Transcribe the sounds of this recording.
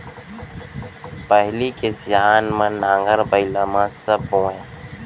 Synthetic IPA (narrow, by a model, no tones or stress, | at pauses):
pəɦlikesjaːnmãnãːŋɡəɾbəɪlamãsɐbɦõːẽ